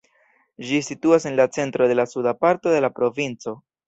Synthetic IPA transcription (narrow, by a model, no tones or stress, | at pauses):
d͡ʒisituase̞nlat͡se̞ntɾo̞de̞lasudapaɾto̞de̞lapɾo̞vint͡so̞